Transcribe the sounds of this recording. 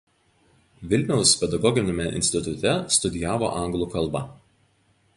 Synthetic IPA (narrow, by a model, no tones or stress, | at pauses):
ʋʲɪlʲnʲɛʊspʲɛd̪ɐɡɔɡʲɪnʲɪmʲɛʔɪ̰nʲsʲt̪ʲɪt̪ʊt̪ʲɛst̪ʊd̪ʲɪjaːʋo̰ːʔɐŋɡlˠuːˑkɐlˠˑbɐ̰